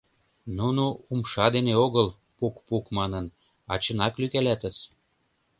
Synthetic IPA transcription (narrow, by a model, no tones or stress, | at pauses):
nunuumʃɑd̪eneoɣəl | pukpukmɑnən | ɑt͡ɕə̆nɑklykælæt̪ə̆ʃ